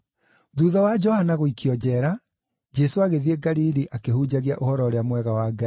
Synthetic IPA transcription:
ðuːðawad͡ʒɔhanaɣoikʰjɔd͡ʑɛːɾa | d͡ʑɛsoaɣeðieɡaɾiɾiʔakehuːd͡ʑaɣiaʔohɔɾɔɾeamwɛɣawaɡa

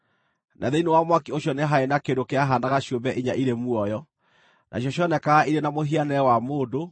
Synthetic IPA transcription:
nʔa̰ðeinewamwakioɕjɔneɦaenakedokeaɦandaɣaɕjombɛʔiɲaʔiɾemuɔjɔ | nʔa̰ɕjɔɕjɔnɛkaɣaʔiɾenamoɦianɛɛwamoːdo

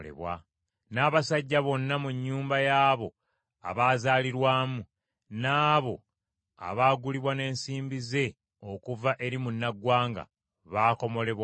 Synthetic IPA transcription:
lḛβwa̰ | naːβasaɟːaβo̞nːamuɲːuːmbajaːβo̞ | a̰βaːzaːliɾwaːmu | naːβo̞̰ | a̰βaːɡuliβwane̞ːnsiːmbize̞ | o̞kuvaʔe̞ɾimunːaɡwaːŋɡa̰ | βaːko̞mo̞le̞βwa

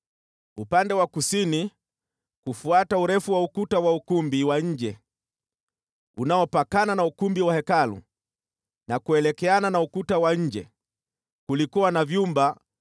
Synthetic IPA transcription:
upandɛwakusini | kufuatauɾɛfuwaukutawaukumbiwaɲ̩d͡ʒɛ | unaɔpakananaukumbiwahɛkalṵ | nakuɛlɛkɛananaukutawaɲ̩d͡ʒɛ | kulikuwanavjumba

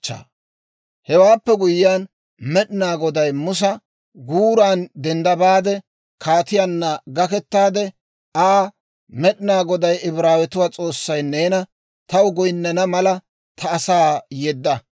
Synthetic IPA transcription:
t͡ʃːa̰ː | hɛwaːpːɛɡʊjːaːn | mɛɗɪnaːɡɔd̪ɐjmʊs̬ɐ | ɡuːɾaːnd̪ɛnd̪ɐbaːd̪ɛ | kʰaːt̪ɪjaːnːɐɡɐkɛt̪ːaːd̪ɛ | ʔaː | mɛɗɪnaːɡɔd̪ɐjɪbɾaːwɛt̪ʊwaːt͡sʼo̞ːsːɐjneːnɐ | t̪ɐwʊɡɔjnːɐnɐmɐlɐ | t̪ʰɐːsaːjɛd̪ːɐ

